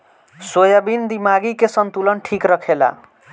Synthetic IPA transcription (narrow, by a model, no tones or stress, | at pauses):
sojəbind̪imaɡikesənt̪ulənʈʰikɾəkʰela̰